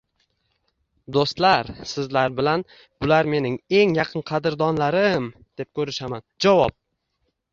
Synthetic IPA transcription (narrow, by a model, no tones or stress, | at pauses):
d̪ost̪laɾsɪzlaɾbɪlan | bʊlaɾme̞nɪŋe̞ŋjɑqʰɨnqʰɑd̪ɪɾd̪ɒnlaɾɪmd̪̥e̞p̚kʲʰɵɾɪʃamand͡ʒavɒp̚